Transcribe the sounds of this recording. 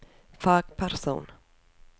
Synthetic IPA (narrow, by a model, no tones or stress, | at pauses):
faːkpʰæɾsṵːn